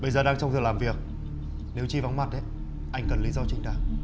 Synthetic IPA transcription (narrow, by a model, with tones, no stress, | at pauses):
ɓə˧jzəː˨˩ɗaː˧ŋt͡ɕwŋ͡mt̪ɨ˨˩laː˨˩mvi˨˩ək̚ | ne˨˦wt͡ɕi˧va˨˦nma˨˩t̚ʔe˨˦ | ʔa˧jŋ̟kə˨˩nli˨˦zɔ˧t͡ɕï˧ŋ̟ɗaː˧˩ŋ